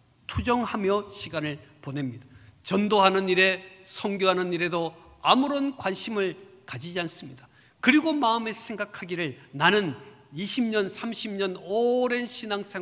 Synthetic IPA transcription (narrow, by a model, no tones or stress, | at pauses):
tʰud͡ʑʌŋhamjʌɕʰiɡanɯɭpone̞mɲidat͡ɕʌndoɦanɯniɾe̞sʰʌŋɡjoɦanɯniɾe̞do | amuɾonkwanɕʰimɯɭkad͡ʑid͡ʑians͈ɯmɲida | kɯɾiɡomaɯme̞sʰe̞ŋɡakʰaɡiɾɯɭnanɯniɕʰimɲʌnsʰamɕʰimɲʌnoɾe̞nɕʰinaŋs͈ʰe